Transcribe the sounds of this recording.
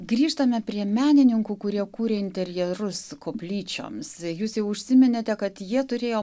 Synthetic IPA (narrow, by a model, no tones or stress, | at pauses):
ɡɾʲiːʃt̪ɐmʲɛpʲɾʲiɛmʲæːnʲɪnʲɪŋkuːkʊɾʲiɛkuːɾʲeːɪnʲt̪ʲɛɾʲjɛɾʊskoːpʲlʲiːt͡ʃʲo̰ːmsjuːsjɛʊʊʃʲsʲɪmʲɪnʲet̪ʲɛkɐt̪jiɛt̪ʊɾʲeːjoː